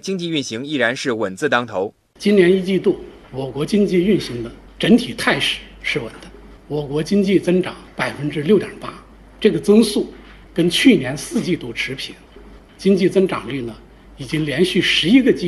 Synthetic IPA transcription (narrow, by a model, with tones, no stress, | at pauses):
t͡ɕi˥ŋt͡ɕi˥˧y˥˩nɕi˧˥ŋi˥˩ɻa˧˥nʂɻ̩˥˩wə˨˩nt͡sɹ̩˥˩t̪ɑ˥ŋt̪ʰo˧˥ʊ | t͡ɕi˥nnjɛ˧˥ni˥t͡ɕi˥˧t̪u˥˩ | wɔ˨˩kwɔ˧˥t͡ɕi˥ŋt͡ɕi˥˧y˥˩nɕi˧˥ŋd̪ə˧ | ʈ͡ʂə˧˥nt̪ʰi˨˩t̪ʰa˥˩ɪʂɻ̩˨˩˦ʂɻ̩˥˩wə̰˨˩nd̪ə˧˥ | wɔ˨˩kwɔ˧˥t͡ɕi˥ŋt͡ɕi˥˩t͡sɤ˥ŋʈ͡ʂɑ˨˧˥ŋpa˨˩ɪfə˥nʈ͡ʂɻ̩˥ljo˥˩ʊt̪jɑ̰˨˩pa˥ | ʈ͡ʂɤ˥˩ɡə˩t͡sɤ˥ŋsu˥˩ | kə˥nt͡ɕʰy˥˩njɛ˧˥nsɹ̩˥˧t͡ɕi˥˧t̪u˥˩ʈ͡ʂʰɻ̩˧˥pʰi˨˩˦n | t͡ɕi˥ŋt͡ɕi˥˩t͡sɤ˥ŋʈ͡ʂɑ̰˨˩ŋly˥˩nə˩ | i˨˩t͡ɕi˥ŋljɛ˧˥nɕy˥˩ʂɻ̩˧˥i˥ɡə˧t͡ɕi˥